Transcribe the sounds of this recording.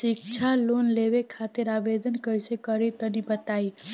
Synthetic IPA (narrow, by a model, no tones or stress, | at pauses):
ʃɪk̚t͡ʃʰalonleʋekʰat̪ɪɾaʋed̪ənkəisekəɾit̪ənibət̪ai